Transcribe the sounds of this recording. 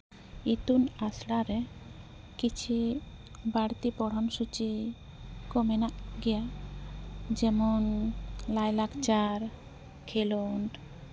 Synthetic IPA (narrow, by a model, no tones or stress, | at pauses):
it̪unasɽaɾɛ | kit͡ʃʰi | baɽt̪ipɔɽ̤amsut͡ʃi | kɔmɛnaʔɡɛja | d͡ʒɛmɔnlajlakt͡ʃaɾ | kʰelɔɳʈ